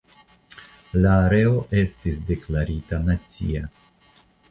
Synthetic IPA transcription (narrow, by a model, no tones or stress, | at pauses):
laːɾe̞o̞ʔe̞stisde̞klaɾitanat͡sḭa